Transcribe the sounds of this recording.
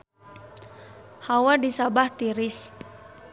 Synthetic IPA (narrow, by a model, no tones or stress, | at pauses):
hawadisabaht̪iɾis